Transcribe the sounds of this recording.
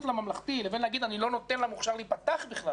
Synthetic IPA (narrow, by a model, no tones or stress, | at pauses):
t̪lamamlaχt̪ilevenlaɡid̪anilo̞not̪enlamuχʃaʁlipat̪aχbiχla